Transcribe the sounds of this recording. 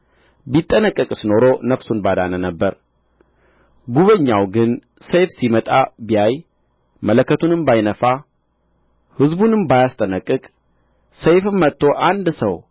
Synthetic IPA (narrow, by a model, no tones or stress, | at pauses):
bit̪ʼːənəkʼːəkʼsɨno̞ɾo̞nəfsunbad̪a̰nənəbːəɾ | ɡuβəɲːawɡɨn | sejfsimət̪ʼabijaj | mələkːət̪ʰunɨmbajnəfa | hɨzbunɨmbajast̪ʼənəkʼːɨkʼ | səjfɨmːət̪ʰːo̞ʔand̪səw